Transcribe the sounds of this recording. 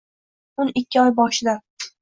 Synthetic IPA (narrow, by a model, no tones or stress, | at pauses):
ʊnɪkʲːɪɒjbɒʃɪd̪a